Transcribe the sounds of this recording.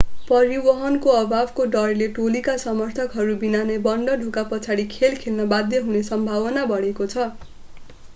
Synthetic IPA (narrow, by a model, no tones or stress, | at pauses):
pʌɾibʌɦʌnkoʌbʱabkoɖʌrleʈolikasʌmʌrt̪ʰʌkɦʌɾubinanebʌɳɖʌɖʱukapʌt͡sʰaɽikʰelkʰelnʌbad̪jʌɦunesʌmbʱawʌnabʌɽ̤ekot͡sʰʌ